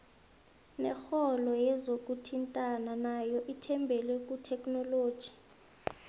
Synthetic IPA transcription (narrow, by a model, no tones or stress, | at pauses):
nɛxɔlɔjɛzok̬ʼutʰintʼananajɔʔitʰɛmbʱɛlwɛkʼutʰɛkʼnɔloːd̥ʒ̥ʱi̥